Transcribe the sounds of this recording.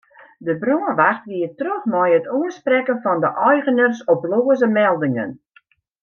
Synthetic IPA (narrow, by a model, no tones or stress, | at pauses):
dəbroənʋaxtʋiətrøxmɔjətuənsprɛkənfɔndəʔɔjɣənərsɔploːəzəmɛlˠdɪŋə̰n